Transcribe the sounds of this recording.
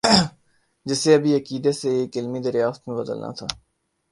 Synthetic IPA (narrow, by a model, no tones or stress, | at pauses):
d͡ʒɪseɐbʱiɐkiːd̪eseeːkɪlmid̪əɾjaːsət̪mẽbɐd̪ə̰lnʔa̰t̪ʰaː